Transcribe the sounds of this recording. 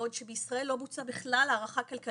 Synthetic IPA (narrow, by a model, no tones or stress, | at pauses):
odʃebeisʁae̞lːo̞but͡sabeχlalaːʁaχakalka